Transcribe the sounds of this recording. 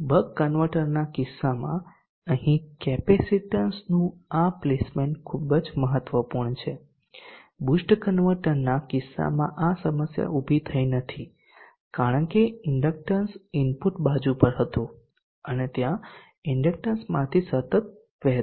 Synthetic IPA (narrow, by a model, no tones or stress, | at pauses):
bʱəkːənʋəɾʈəɾnakɪsːamã̰ | əɦĩkɛpesiʈənsnũaplesmenkʰubəd͡ʒməɦət̪ʋəpuɾɳt͡ʃʰe | busʈkənʋəɾʈəɾnakɪsːa̰mãʔasəməsja̰ʔubʱit̪ʰəinət̪ʰi | kaɽəɳkeɪɳɖək̚ʈənsɪnpuʈbad͡ʒũpəɾɦət̪ũ | ənet̪jã | ɪɳɖək̚ʈənsmãt̪ʰisət̪ət̪̚ | ʋɛɦ